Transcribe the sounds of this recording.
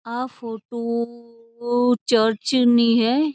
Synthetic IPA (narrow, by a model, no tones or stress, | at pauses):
afoːʈo | t͡ʃəɾt͡ʃnĩɦɛ